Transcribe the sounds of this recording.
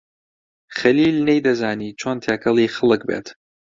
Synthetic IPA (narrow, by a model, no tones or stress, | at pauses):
χɐliːlnejd̪ɐzaːniːt͡ʃʰoːnt̪ʰjakʰɐlˠiːxɐlˠɨk̚bḛt̪